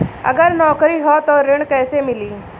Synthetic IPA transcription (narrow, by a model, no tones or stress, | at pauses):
ə̰ɡəɾnɔːkɾiɦɔt̪oɾɪ̃ɳkɛːsemɪliː